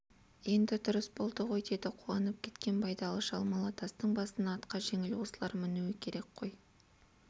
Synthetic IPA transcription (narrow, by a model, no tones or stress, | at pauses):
je̞nd̪ɪd̪ʊɾəsbo̞lˠd̪əʁo̞jd̪e̞d̪ɪqʰuɑnəp̚kʲʰe̞t̪kʲe̞npʰɑjd̪ɑlˠəʃɑ̰lˠmɑlˠɑt̪ʰɑst̪əɴbɑsənɑːt̪qɑʒe̞ŋɪlwosəlˠɑɾmɪnuwɪkʲʰe̞ɾe̞kqʰo̞j